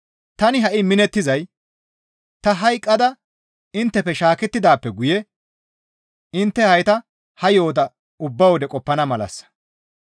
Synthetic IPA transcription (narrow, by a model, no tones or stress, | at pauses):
t̪ɐnɪɦɐʔɪmɪnɛt̪ːɪzɐj | t̪ɐɦɐjkʼːɐd̪ɐ | ɪnt̪ːɛpɛʃaːkɛt̪ːɪd̪aːpːɛɡʊjɛ | ɪnt̪ːɛhɐjt̪ɐ | hɐjo̞ːd̪ɐ | ʊbːɐwɔd̪ɛkʼɔpːɐnɐmɐlɐ̰sːɐ̥